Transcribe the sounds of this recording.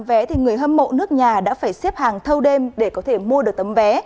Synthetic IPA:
mvɛ˨˦t̪ʰi˨˩ŋɨ˨˩əjɦəː˧mːo̰˧˨nɨ˦˥ək̚ɲaː˨˩ɗa̰ː˧˥faː˧˩jsɛ˦˥p̚haː˨˩ŋt̪ʰə˧wɗe˧mɗe˧˩kɔ˨˦t̪ʰe˧˩mu˧əɗɨ˨˩ək̚t̪ə˨˦mvɛ˨˦

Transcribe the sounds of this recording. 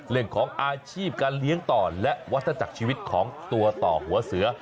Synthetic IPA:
lɯ˧˩əŋkʰɔː˩˦ŋʔaː˧t͡ɕʰiː˥˩p̚kaː˧nli˦˥əŋt̪ɔː˨˩lɛ˦˥ʔwa˦˥t̪ʰːa˧t͡ɕa˨˩k̚t͡ɕʰiː˧wi˦˥t̪̚kʰɔː˩˦ŋt̪u˧ɐt̪ɔ̰ː˨˩hu˩˦ɐsɯ˩˦ɐ

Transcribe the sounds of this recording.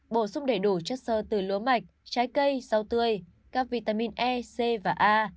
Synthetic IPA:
ɓo˧˩sʊ˧ŋ͡mɗe˧˩ɗu˧˩t͡ɕɔ˦˥t̚səː˧˨˩t̪ɨ˨˩lu˨˦əma˨˩jk̟̚t͡ɕaː˨˦jkə˧jza˧wt̪ɨ˧əj | kaː˦˥k̚vi˧˩t̪aː˧mi˧˨nʔɛ˧se˧vaː˨˩ʔaː˧

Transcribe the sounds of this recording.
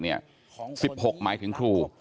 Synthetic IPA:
ni˥˩ɐ | si˨˩p̚ho˨˩k̚maː˩˦jt̪ʰɯ˩˦ŋkʰɾuː˧˩

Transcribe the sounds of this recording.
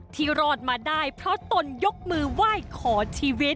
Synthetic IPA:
t̪ʰiː˧˩ɾɔː˥˩t̪̚maː˧daː˥˩jpʰɾɔ˦˥t̪o˧njo˦˥k̚mɯː˧waː˥˩jkʰɔː˩˦t͡ɕʰiː˧wi˦˥t̪̚

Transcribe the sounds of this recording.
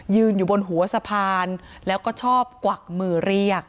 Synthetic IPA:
jɯː˧njuː˨˩bo˧nɦu˩˦ɐsa˧pʰaː˧nlɛː˦˥wkɔː˥˩t͡ɕʰɔː˥˩p̚kwa˨˩k̚mɯː˨˩ɾi˧˩ək̚

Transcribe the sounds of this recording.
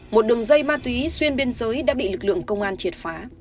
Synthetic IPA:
mo˨˩t̚ɗɨ˨˩əŋzə˧jmaː˧t̪wi˨˦swi˧ənɓe˧ənzəː˨˦jɗa̰ː˧˥ɓḭ˧˨lɨ˨˩k̚lɨ̰˧˨əŋkə˧wŋ͡mʔaː˧nt͡ɕi˨˩ət̚faː˨˦

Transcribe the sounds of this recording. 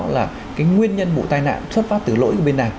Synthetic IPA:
laː˨˩ | kaː˨˦jŋwi˧ənɲə˧nmṵ˧˨t̪aː˧jna̰ː˧˨nsʰwə˦˥t̚fa˦˥t̪ɨ˨˧˩lo̰˧˥jkəː˧˩˦ɓe˧nːaː˨˩ŋ

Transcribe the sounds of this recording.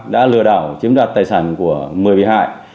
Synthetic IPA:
ɗa̰ː˧˥lɨ˨˧˩əɗaː˧˩wt͡ɕi˨˦əmɗwaː˨˩t̚t̪aː˧˨˩jsaː˧˩nku˧˩əmɨ˨˩əjɓi˧˩ha̰ː˧˨j

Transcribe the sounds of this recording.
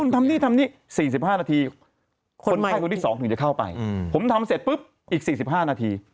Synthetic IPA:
u˥˩nt̪ʰa˧mniː˥˩t̪ʰa˧mniː˥˩ | siː˨˩s̬i˨˩p̚haː˥˩naː˧t̪ʰiː˧ | kʰo˧n˨˥˩ko˧nt̪iː˥˩ɔː˩˦ŋt̪ʰɯ˩˦t͡ɕa˨˩kʰa˥˩wpa̰˧jpʰo˩˦mt̪ʰa˧mse˨˩t̪̚pɯ˦˥p̚ | ʔiː˨˩k̚siː˨˩s̬i˨˩p̚ɦaː˥˩naː˧t̪ʰiː˧

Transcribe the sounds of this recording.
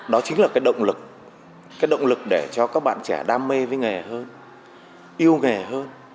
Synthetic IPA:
ɗɔ˨˦t͡ɕï˨˦ŋ̟laː˨˩kaː˨˦jɗə̰˧˨wŋ͡mlɨ˨˩k̚ | kaː˨˦jɗə̰˧˨wŋ͡mlɨ˨˩k̚ɗe˧˩t͡ɕɔ˧kaː˦˥k̚ɓa̰ː˧˨nt͡ɕɛ˧˩ɗaː˧mːe˧vəː˨˦jŋɛ˨˩ɦəː˧n | ʔi˧əwŋɛ˨˩ɦəː˧n

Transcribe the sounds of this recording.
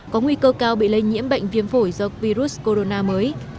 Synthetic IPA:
kɔ˨˦ŋwi˧kəː˧kaː˧wɓḭ˧˨lə˧jŋḭ˧˥əmɓə̰˧˨jŋ̟vi˧ənfo˧˩jzɔ˧vi˧ɾu˦˥sko˧ɾo˧naː˧məː˨˦j

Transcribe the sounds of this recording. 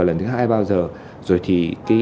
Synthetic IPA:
lə˨˩nt̪ɨ˨˦ɦaː˧jɓaː˧wzəː˨˩ | zo˨˩jt̪ʰi˨˩ka˨˦

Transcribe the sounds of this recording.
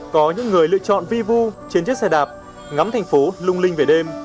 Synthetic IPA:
kɔ˨˦ɲɨ̰˧˥ŋːɨ˨˩əjlɨ̰˧˨ət͡ɕɔ̰˧˨nvi˧vu˧t͡ɕi˧ənt͡ɕt̚sɛ˧ɗaː˨˩p̚ | ŋa˨˦mt̪ʰa˨˩jŋ̟fo˨˦lʊ˧ŋ͡mlï˧ŋve˨˩ɗe˧m

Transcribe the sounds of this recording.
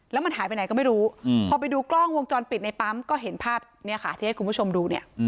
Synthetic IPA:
lɛː˦˥ma˧nɦaː˨˩˦jpa˧jna˨˦kɔ˥˩ma˥˩jɾuː˦˥pʰɔː˧pa˧jduː˧klɔ˥˩ŋwo˧ŋt͡ɕɔː˧npi˨˩t̪̚na˧jpa˦˥mkɔː˥˩ɦe˩˦npʰaː˥˩p̚ni˥˩ɐkʰa˦˥˩t̪ʰiː˦˥˩jku˧pu˥˩t͡ɕʰo˧mduː˧ni˥˩ɐ

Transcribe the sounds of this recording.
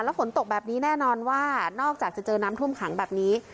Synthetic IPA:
lɛ˦˥fo˩˦nt̪o˨˩k̚bɛː˨˩p̚niː˦˥nɛː˥˩nɔː˧nwaː˥˩nɔː˥˩k̚t͡ɕaː˨˩k̚t͡ɕa˨˩t͡ɕɤː˧naː˦˥mt̪ʰu˥˩əmkʰa˩˦ŋbɛː˨˩p̚niː˦˥

